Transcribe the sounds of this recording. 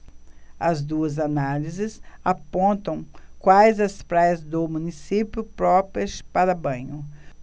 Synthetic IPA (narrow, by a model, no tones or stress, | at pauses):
ɐzd̪uɐzanalizɪsapõnt̪ɐ̃w̃kwajzɐspɾajɐzd̪ʊmũnisipjʊpɾɔpiɐspaɾɐbɐ̃ɲʊ